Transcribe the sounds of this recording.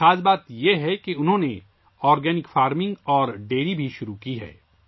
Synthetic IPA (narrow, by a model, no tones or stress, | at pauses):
aːd͡ʒbaːt̪jeɦɛkeʊnɦõːne | ɔːɾɡɛːnɪkfaːɾmɪ̃ŋɡɔːɾɖeːɾibʱiʃʊɾukiɦɛ̰ː